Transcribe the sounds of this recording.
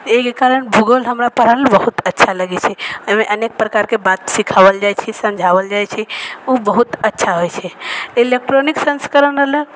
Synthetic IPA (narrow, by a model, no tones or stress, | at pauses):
ekekaɾəɳbʱuɡolɦəmɾapəɾɦəlbəɦut̪ətːʃʰaləɡet͡ʃʰɛəmẽʔənek̚pɾəkaɾkebat̪sikʰaʋəld͡ʒajt͡ʃʰɛsə̃md͡ʒʱaʋəld͡ʒajt͡ʃʰɛubəɦut̪ətːʃʰaɦojt͡ʃʰeilek̚ʈɾoniksə̃nskəɾənələɡ